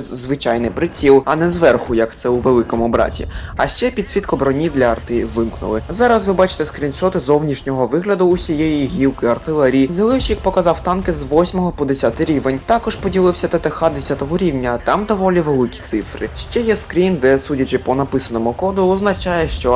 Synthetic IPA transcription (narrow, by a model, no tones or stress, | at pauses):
zʋɪt͡ʃajnɪjpɾɪt͡sʲilˠɐnɛzʋɛrxʊjɐkt̪sɛuʋelˠɪkɔmʊbɾɑ̰tʲḭɐʃt͡ʃɛpʲid̪ʲsʲʋʲit̪kɔbɾɔnʲid̪lʲɐɐrt̪ɪʋɪmknʊ̰lˠɪzɑɾɐsʋɪbɑt͡ʃɪ̥t̪ɛskɾʲinʃɔt̪ɪzɔwnʲiʃnʲɔɦɔʋɪɦlʲɐd̪ʊːsʲijejiɦʲiwkɪɐrt̪ɪlˠɛɾʲizɐlˠɪwʃʲjɐk̚pɔkɐzɑwt̪ɑnkɪzʋɔsʲmɔɦɔpɔd̪esʲat̪ɪɾʲiʋenʲt̪ɑkɔʒpɔdʲilˠɪwsʲɐt̪ɐt̪exɑd̪esʲat̪ɔɦɔɾʲiwnʲɐt̪ɑmd̪ɔʋɔlʲiʋelˠɪkʲi̥t̪sɪfrɪ̰ʃt͡ʃɛjɛskɾʲind̪ɛsudʲɐt͡ʃɪpɔnɐpɪsɐnɔmʊkɔd̪ʊɔznɐt͡ʃɑjɛʃt͡ʃɔ